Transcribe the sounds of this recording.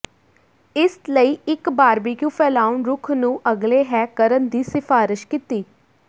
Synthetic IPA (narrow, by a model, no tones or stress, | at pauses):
ɪsləiːɪkbaːɾbiːkjuːpʰɛːlaːʊnɾʊkʰnũːʔəɡleːɦɛːkəɾənd̪iːsɪfaːɾɪʃkit̪iː